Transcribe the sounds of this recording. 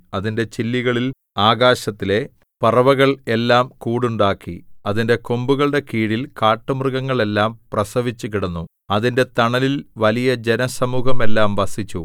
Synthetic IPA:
ɐðinde̞t͡ɕilːiɣɐɭil | aːɡaːɕɐt̪ːile̞ | pɐrɐʋɐɣɐɭe̞lːaːmkuːɽuɳɖaːkːḭɐðinde̞kombuɣɐɭɽe̞kiːɽilkaːʈːɐmrɨɣɐŋːɐɭe̞lːaːmprɐsɐʋit͡ɕːukiɽɐnːu | ɐðinde̞t̪ɐɳɐlilʋɐlijɐd͡ʑe̞nɐsɐmuːhɐme̞lːaːmʋɐsit͡ɕːu

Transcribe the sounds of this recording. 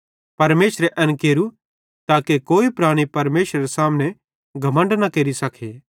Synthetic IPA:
pɐɾmeːʃɾeʔɐnkeːɾu | t̪aːkekoːipɾaːɽ̃ipɐɾmeːʃɾɐɾesaːmne | ɡʱɐmə̃ɳɖnɐkeːɾisɐkʰeː

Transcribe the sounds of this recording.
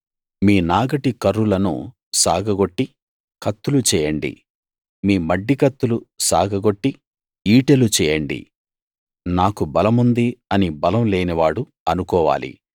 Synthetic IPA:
miːnaːɡɐʈikɐɾːulɐnṵ | saːɡʱɐɡo̞ʈːi | kɐt̪ːulut͡ʃɛːjɐɳɖḭ | miːmɐɖːikɐt̪ːulusa̰ːɡʱɐɡo̞ʈːi | iːʈelut͡ʃɛːjɐɳɖḭ | naːkubɐlɐmund̪iɐnibɐlɐmleːniʋaːɽu | ɐnukɔːʋa̰ːlḭ

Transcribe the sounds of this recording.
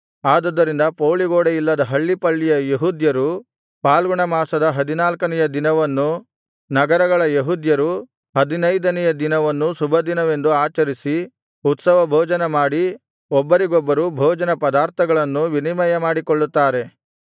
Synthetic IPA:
aːd̪ɐd̪ːɐɾind̪ɐpoːɭiɡoːɽejilːɐd̪ɐɦɐɭːipɐɭːijɐjeɦud̪jɐɾu | paːlɡuɳɐmaːsɐd̪ɐɦɐd̪inaːlkɐnɛjɐd̪inɐʋɐnːu | nɐɡɐɾɐɡɐɭɐjeɦud̪jɐɾu | ɦɐd̪inɐjd̪ɐnɛjɐd̪inɐʋɐnːusubʱɐd̪inɐʋe̞nd̪uaːt͡ʃɐɾisi | ut̪sɐʋɐbʱoːd͡ʒɐnɐmaːɽi | ɔbːɐɾiɡɔbːɐɾubʱoːd͡ʒɐnɐpɐd̪aːɾt̪ʰɐɡɐɭɐnːuʋinimɐjɐmaːɽikɔɭːut̪ːaːɾe̞

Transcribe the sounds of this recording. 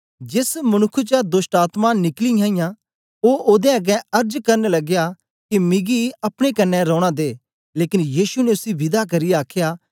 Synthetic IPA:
d͡ʒɪsmɐnʊkʰːut͡ʃad̪ʊsʈaːt̪manɪklijãːĩjã | oːʔoːd̪ẽɐɡɛ̃ɐɾd͡ʒkɐɾnlɐɡja | kimɪɡiɐpɽ̃ekɐnːɛɾɔ̃ːɽ̃ad̪eː | leːkɪnjiːʃuneʊsiʋɪd̪ak̬ɐɾijaːkʰjaː

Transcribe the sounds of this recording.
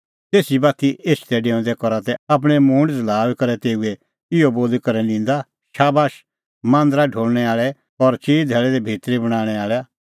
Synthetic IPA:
t̪eːsibaːt̪iʔeːst̪ɛɖeːʊ̃d̪ɛkɔɾat̪ɛap̬ɽ̃ɛmʊ̃ɳɖd͡zlaːlkɐɾɛt̪eːuɛ | ɪoboːd̪kɐɾɛnɪ̃ːnd̪a | ʃaːbaːʃ | mãːnd̪əɾaɖʱoːɭñɛaːɭɛ | ɔɾt͡ʃiːd̪ʱɛːɭɛd̪ɛbʱiːt̪ɾibɐɽ̃aːɽ̃ɛaːɭɛ

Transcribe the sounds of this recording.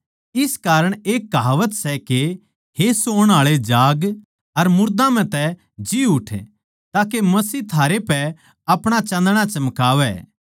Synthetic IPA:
ɪskaːɾəɽ̃eːkːɦaːʋət̪sɛke | hesoːɽ̃aːɭed͡ʒaːɡ | ɐɾmʊɾd̪ãmɛ̃t̪ɛ | d͡ʒiʊʈʰ | t̪aːkemɐsiːt̪ʰaːɾepɛ | ɐpɽ̃at͡ʃɐ̃nd̪ɽ̃at͡ʃɐmkaːʋɛ̰ː

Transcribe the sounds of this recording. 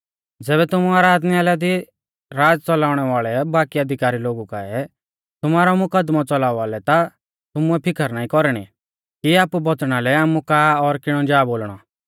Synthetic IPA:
d͡zɛːβɛt̪ʊmuaːɾaːd̪niaːlɛd̪i | ɾaːd͡zt͡sɔlaːʊɽ̃ɛʋaːɭɛbaːkiɐd̪ʱɪkaːɾiloːɡuka̰ɛ | t̪ʊmaːɾɔmʊkəd̪mɔt͡sɔlaːuaːlɛt̪a | t̪ʊmuɛpʰɪkəɾnaːĩkɔɾɽ̃ḭ | kiaːpubɔt͡sɽ̃alɛaːmukaːɔɾkɪɽ̃ɔd͡ʒaːboːlɽ̃ɔ

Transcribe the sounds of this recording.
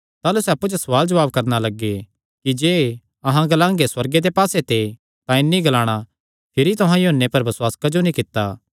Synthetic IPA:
t̪aːlusɛɐpːud͡ʒosɐʋaːld͡ʒɐʋaːb̚kɐɾnalɐɡːe | kid͡ʒeː | ɐɦãɡɐlãːŋɡeswɐɾɡed̪epaːset̪e | t̪ãɪnːiɡɐlãːɽ̃a | pʰɪɾit̪ʊɦãjoɦənːepɐɾbɐswaːskad͡ʒonĩkɪt̪ːaː

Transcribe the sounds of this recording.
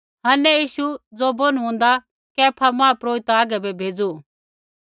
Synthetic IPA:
ɦɐːnɛjiːʃud͡zoboñuɦũːnd̪a | kɛːpʰamãːpɾoːɪt̪aːɡɛbɛbʱeːd͡zu

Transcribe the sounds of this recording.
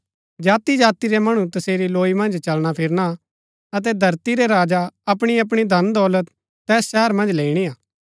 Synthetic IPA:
d͡ʒaːt̪id͡ʒaːt̪iɾɛmɐɽ̃ut̪ɐseːɾiloːimɐ̃nd͡ʒt͡ʃɐlɽ̃apʰɪɾna | ɐt̪̬ɛd̪ʱɐɾt̪iɾeɾaːd͡ʒaɐpɽ̃iɐp̬ɽ̃id̪ʱɐnd̪ɔːlət̪ː | ɛːsʃɛɦəɾmɐ̃nd͡ʒleːiɽ̃iaː

